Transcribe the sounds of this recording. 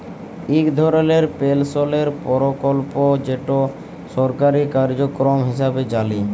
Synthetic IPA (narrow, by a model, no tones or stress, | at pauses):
ikd̪ʱɔɾoleɾpelsoleɾpɔɾokolpod͡ʑeʈo | ʃɔɾkaɾikaɾd͡ʑokɾomɦiʃabed͡ʑali